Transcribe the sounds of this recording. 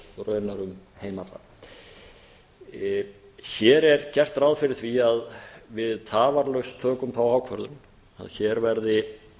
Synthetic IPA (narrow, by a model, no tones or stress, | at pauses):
ɾœːɥnaɾʏmheːjmat̪la̰ɾ | çɛɾɛɾ̥cɛr̥t̪ɾawðfɪɾɪ̥θviaðvɪðt̪ʰaːvaɾlœɥst̪ʰœːkʏmθawaːwkʰvœ̰ɾðʏn | a̰ðçɛɾvɛɾðɪ